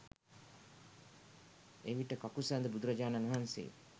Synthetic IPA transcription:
eʋiʈəkakusand̪əbud̪uɾɐd͡ʒaːnanuɦansḛː

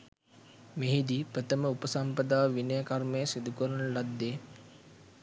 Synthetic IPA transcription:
meɦid̪ipɾət̪əməupəsampəd̪aːʋʋinəjəkarmejəsid̪ukəɾənəlad̪ːeː

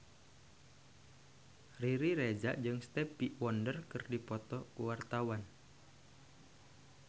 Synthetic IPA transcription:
riɾiɾed͡ʒaʔd͡ʒɨŋst̪ɛpiʔwɔndərkɨrdipɔt̪ɔkuwart̪awan

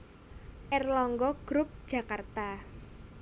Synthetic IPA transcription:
ʔɛrlɔŋɡɔɡ̥ɾʊp̚d̥ʒ̥a̤kart̪a

